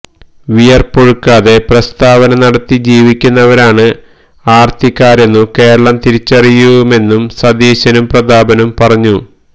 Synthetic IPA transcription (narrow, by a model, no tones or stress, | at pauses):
ʋijɐrpoɻukːaːðe̞prɐst̪aːʋɐnɐnɐɽɐt̪ːid͡ʑiːʋikʲːunːɐʋɐɾaːɳɨ | aːrt̪ʰikːaːɾjenːuke̞ːɾɐɭɐmt̪iɾit͡ɕːɐrijuume̞nːumsɐd̪iːɕɐnumprɐd̪aːbɐnumpɐrɐɲːu